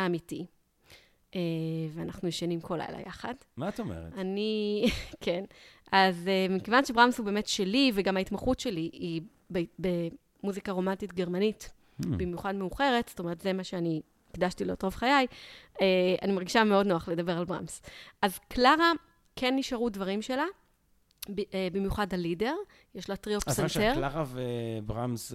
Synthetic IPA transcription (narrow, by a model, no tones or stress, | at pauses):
aːmiti | eveanaχnujeʃanimkʰola̰jla̰ja̰χad | mattomḛʁ̰anikʰenʔazemikevanʃebʁamshube̞ːme̞tʃe̞liveɡamhaitmaχutʃe̞lii | bebe | muzikaʁo̞mantitɡe̞ʁmanit | bimjuχadmeuχe̞ʁetstoeetzemaʃeani | ikdaʃtileotʁovχajajea̰nimaʁɡiʃameo̞dnoaχledabe̞ʁalbʁa̰msʔazklaʁa | kʰenːiʃaʁudvaʁimʃe̞la | bebimjuχadalide̞ʁ | jeʃlatʁiofsateʁlaʁavebʁamz